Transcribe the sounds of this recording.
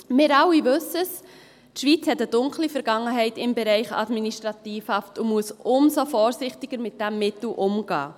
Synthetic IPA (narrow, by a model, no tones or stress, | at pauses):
mɪɾɑwːiʋɵsəs | tʃʋiːt͡shɛtəd̥ʊŋklifɛɾɡ̥ɑŋːəɦɛɪtɪmbɛɾɛɪχɑ̰dminiʃtɾɑtiːfhɑftumuəsʊmsofɔːɾsɪχtiɡ̥əɾmɪt̚d̥æmːɪtl̩ʔʊmɡ̥ɑ̰ː